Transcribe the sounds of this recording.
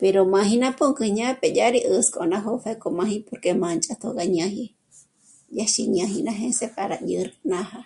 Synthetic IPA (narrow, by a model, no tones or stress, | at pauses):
peɾomãhĩnãpoŋkɨɲãpeʄaɾiʔəskonãɦofakomãhĩpoɾkemãnt͡ʃʼat̪ʰoɡaɲãhi | jaʃḭɲãɦinãɦẽsepaɾaʄɨɾnãha